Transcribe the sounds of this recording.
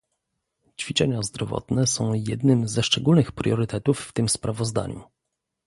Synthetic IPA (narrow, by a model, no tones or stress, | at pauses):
t͡ɕfʲit͡ʂɛɲazd̪ɾɔvɔ̰t̪nɛsɔ̃w̃jɛd̪nɘmzɛʂt͡ʂɛɡulnɘxpɾʲjɔɾɘt̪ɛt̪ufːt̪ɘmspɾʔavɔzd̪a̰ɲṵ